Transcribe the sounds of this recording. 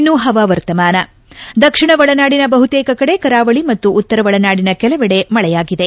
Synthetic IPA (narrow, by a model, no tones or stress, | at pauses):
nːuɦɐʋaʋɐɾt̪ɐmaːnɐ | d̪ɐkʂiɳɐʋɐɭɐnaːɽinɐbɐɦut̪eːkɐkɐɽe̞kɐɾaːʋɐɭimɐt̪ːuːt̪ːɐɾɐʋɐɭɐnaːɽinɐkɛlɐʋɛɽe̞mɐɭɛjaːɡid̪e̞